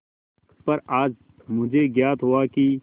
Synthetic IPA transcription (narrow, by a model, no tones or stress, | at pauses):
pɐɾaːd͡ʒ | mʊd͡ʒʱeɡjaːt̪ɦuaːki